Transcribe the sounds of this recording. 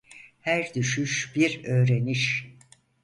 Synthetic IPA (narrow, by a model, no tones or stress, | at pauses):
hæɾd̪yʃyʃb̥iɾø̞ːɾeniʃ